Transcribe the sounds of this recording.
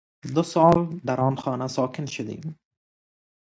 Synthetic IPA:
d̪ʊsɔːld̪aɾɔːnxɒːnasɒːkʰɪnʃʊd̪ḭːm

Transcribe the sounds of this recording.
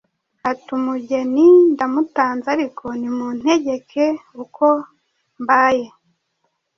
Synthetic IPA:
hatumuɟe̞nindamutaːnzaɾikʰo̞nimun̥he̞ɟe̞kʰe̞ukʰo̞ | mbaːje

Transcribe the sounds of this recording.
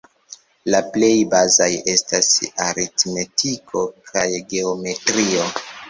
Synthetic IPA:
laple̞jbazaje̞stasaɾitme̞tikʰo̞kʰajɡe̞ome̞tɾio̞

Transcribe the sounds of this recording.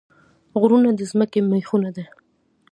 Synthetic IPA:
ɣɾunad̪əzməkemaxunad̪a

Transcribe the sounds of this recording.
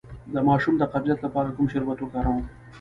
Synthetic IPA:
d̪əmɑːʃumd̪əqablijat̪lapɑːɾakumʃɪɾwat̪okɑɾaw̃

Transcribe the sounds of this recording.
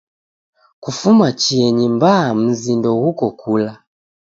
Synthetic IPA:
kufumat͡ʃiɛɲimbam̩zindɔɣukɔkʰula

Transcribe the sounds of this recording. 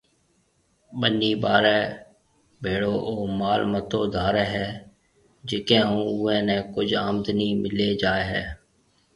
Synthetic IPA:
ɓənːiːbaːɾɛː | bʱeːɽoːʔoːmaːlmət̪oːd̪ʱaːɾɛːɦɛː | d͡ʒɪkẽːɦũːʊẽːnẽːkʊd͡ʒaːmd̪niːmɪleːd͡ʒaːeɦɛ̰ː

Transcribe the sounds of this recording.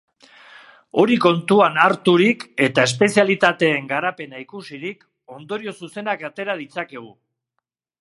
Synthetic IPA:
o̞ɾiko̞nt̪uanaɾt̪uɾike̞t̪ae̞spe̞sialit̪at̪e̞ːŋɡaɾape̞naikusiɾik | o̞nd̪o̞ɾio̞suse̞nakat̪e̞ɾað̞it͡sake̞ɣ̞u

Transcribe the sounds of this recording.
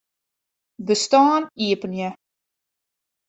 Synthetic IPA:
bəstaːniəpənjə

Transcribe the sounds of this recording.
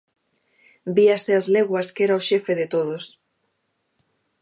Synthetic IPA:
biaseazleɣwɐskeɾaoʃefeðet̪oðos

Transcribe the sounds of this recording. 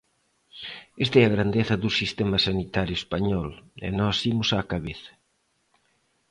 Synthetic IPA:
est̪ɛɐɣɾand̪eθɐðusist̪ɛmɐsanit̪aɾjʊespaɲɔlɛ̰nɔsimʊsakaβeθɐ̥

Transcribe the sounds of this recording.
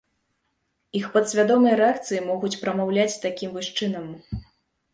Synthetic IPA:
ixpɐt̪sʲvʲad̪ɔmɐjɐɾɛakt̪sɨjimɔɣut͡sʲpɾɐmawlʲat͡sʲt̪akʲimvɨʂt͡ʂɨnɐm

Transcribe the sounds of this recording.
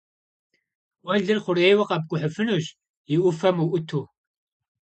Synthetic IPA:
wɐɮɨrχʷʊɾejwɐqɐb̚ɡʷʊħəfɨnuʑ | jɪʔʊfɐmuʔʷʊtʰuː

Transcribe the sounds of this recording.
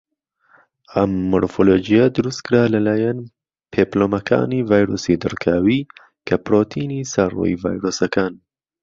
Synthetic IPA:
ɐmːoɾfolod͡ʒijad̪ʊɾust̪kʰɨɾaːlɐlaːjan | pʰeːploːmɐkʰa̰ːniːvaːjɾoːsid̪ɨɾkʰaːwi | kʰɐpɾoːt̪ʰiːnisɐrṵḭva̰ːjɾoːsɐkʰaːn

